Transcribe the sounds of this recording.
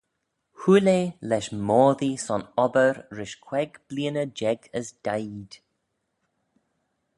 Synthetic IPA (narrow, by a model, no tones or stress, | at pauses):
huleːlɛʃmɔːðisɔnɔbəɹɹɪʃkʰw̥ɛɡb̥liːənəd͡ʒɛɡəsd̥ajd̪̥